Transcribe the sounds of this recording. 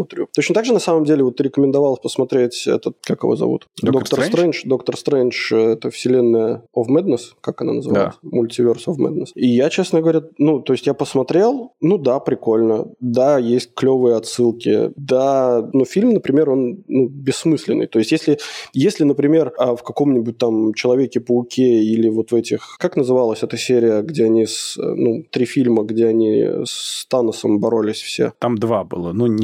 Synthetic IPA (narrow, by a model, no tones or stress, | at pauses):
smɐt̪ɾʲut̪o̞t͡ɕnət̪aɡʐɨnɐsaməmdʲelʲɪvot̪ːɨɾʲɪkəmʲɪnd̪ɐvalˠpəsmɐt̪ɾʲetʲɛ̰t̪ət̪̚kakɨ̰vozɐ̰vṵt̪dd̪okt̪əɾst̪ɾɛnʂd̪o̞kt̪ərst̪ɾɛnʂɛt̪əfsʲɪlʲe̞nːəjəofmɛd̪nəskakɐna̰nəzɨva̰smʊlʲtʲɪvʲe̞rsofmɛ̰d̪̚nəsijat͡ɕesnəɡəvɐɾʲatnut̪o̞ɪsʲtʲjapəsmɐt̪ɾʲe̞lˠnud̪apɾʲɪko̞lʲnə̰d̪ajesʲt̚ʲklʲo̞vɨjəɐt̪sɨlˠkʲɪ̰d̪anufʲilʲmnəpɾʲɪmʲe̞ɾo̞nnubʲɪsːmɨsʲlʲɪnːɨ̰jt̪o̞ɪsʲtʲjesʲlʲɪjesʲlʲɪnəpɾʲɪmʲe̞rəfkɐko̞mnʲɪbʊt̚ʲt̪amt͡ɕɪlˠɐvʲekʲɪpəʊkʲʰeilʲɪvo̞t̪vɛtʲɪxkaknəzɨvalˠəsʲɛt̪əsʲeɾʲɪjəɡdʲeɐnʲisnut̪ɾʲifʲilʲməɡdʲe̞ɐnʲḭst̪anəsəmbɐɾo̞lʲɪsʲfsʲḛt̪amd̪vabɨ̰lˠənu